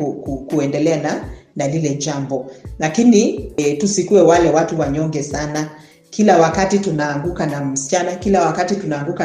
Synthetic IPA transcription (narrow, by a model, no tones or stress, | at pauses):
ukukuɛndɛlɛananalilɛʄambɔlakinitusikuɛwalɛwatuwaɲɔŋɡɛsana | kilawakatitunaːŋɡukanam̩si̥t͡ʃanakilawakatitunaːŋɡuka